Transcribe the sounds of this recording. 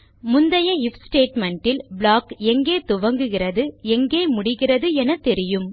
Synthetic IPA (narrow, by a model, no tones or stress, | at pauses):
mʊnd̪ɐjɐɪfsʈeːʈmɛɳʈɪlbɭaːkɛŋɡeːt̪ʊʋɐŋɡɯɣɪrɐðɯɛŋɡeːmʊɽɪɣɪrɐðɯɛnɐt̪ːɛɾɪjɯm